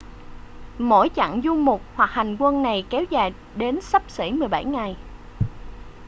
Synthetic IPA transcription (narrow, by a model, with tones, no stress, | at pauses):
mo̰˧˥jt͡ɕa̰˧˨ŋzu˧mʊ˨˩k͡p̚hwa˨˩k̚ha˨˩jŋ̟kwə˧nna˨˩jkɛ˨˦wzaː˨˩j | ɗe˨˦nsə˦˥p̚sḭ˧˩mɨ˨˩əjɓa˧˩jŋa˨˩j